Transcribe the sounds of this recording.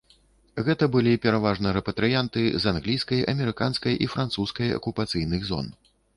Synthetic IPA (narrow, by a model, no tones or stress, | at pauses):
ɣɛt̪ɐbɨlʲipʲɛɾavaʐnɐɾɛpɐt̪ɾɨjant̪ɨzanɣlʲijskɐjɐ̰mʲɛɾɨkanskɐjʔifɾant̪suskɐjɐ̰kupat̪sɨjnɨɣzɔ̰n